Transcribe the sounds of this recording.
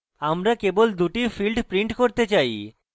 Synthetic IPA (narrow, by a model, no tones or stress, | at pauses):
amɾakebold̪uʈifilɖpɾiɳʈkoɾt̪et͡ɕaj